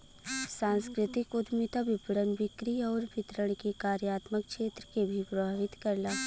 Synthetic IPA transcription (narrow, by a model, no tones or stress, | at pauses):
sãːnskɾɪt̪ɪkʊd̪mit̪abɪpɽənʋɪkɾiɔːɾbɪt̪ɾəɽ̃kikaːɾjaːt̪mək̚kʃeːt̪ɾəkebʱipɾɐbʱaːʋɪt̪kɐɾlaː